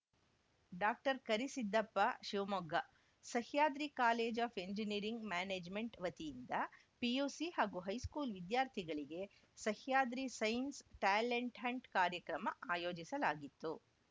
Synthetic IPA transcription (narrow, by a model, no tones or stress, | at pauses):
ɖaːk̚ʈɐɾkɐɾisid̪ːɐpːɐʃiʋmɔɡʱːɐ | sɐhjaːd̪ɾikaːleːd͡ʒaːpʰe̞ɲd͡ʒiniːɾiŋɡmaːneːd͡ʒme̞ɳʈʋɐt̪ijind̪ɐ | piuːsihaːɡuɦɐjskuːlʋid̪jaːɾt̪ʰiɡɐɭiɡe̞ | sɐhjaːd̪ɾisɐjnsʈaːleɳʈɦɐɳʈkaːɾjɐkɾɐmɐʔaːjo̞ːd͡ʒisɐlaːɡit̪ːu